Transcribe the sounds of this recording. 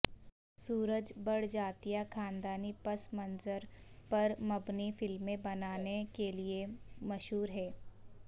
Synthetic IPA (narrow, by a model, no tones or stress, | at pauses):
suːɾəd͡ʒbɐɽd͡ʒaːt̪ijakʰaːnd̪aːnipɐsmɐnzəɾpɐɾmɐbnifɪlmːẽbɐnaːnekeliemɐʃɦuːɾɦɛː